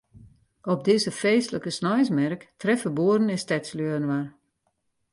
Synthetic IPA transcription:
ɔp̚dɪzəfeːstləkəsnɔjsmɛrktrɛfəboəɾən̩ɪstɛtsløəənʋar

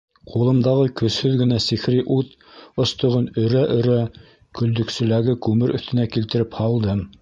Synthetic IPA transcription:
qʰulˠɤ̆md̪ɑʁɤkɵ̆shɵðɡɘ̆næsixɾiʔut̪ | ŏst̪ŏʁɤnɵ̆ɾæʔɵ̆ɾæ | kɵ̆ld̪ɵ̆ksɵ̆læɡɘkʉmɘɾʔɵ̆θt̪ɘ̆nækilt̪ɘ̆ɾɘphɑlˠd̪ɤm

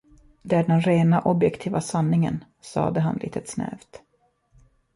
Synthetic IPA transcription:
d̪ɛæɖɛnɾeːnaʔɔbjɛkt̪ʰiːvasanːɪŋə̰n | sɑ̰ːd̪əɦanlḭːt̪ət̪snɛ̰ːvt̪

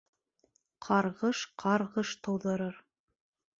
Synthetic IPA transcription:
qʰɑɾʁɤʃqʰɑɾʁɤʃt̪ŏwðɤ̆ɾɤɾ

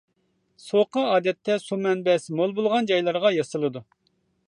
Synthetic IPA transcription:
soqɑɑːd̪ɛt̪ʰːɛsumɛnbɛsmolˠbolˠʁɑnd͡ʒɑjlˠɑɾʁɑjɑsɨlˠɨd̪u

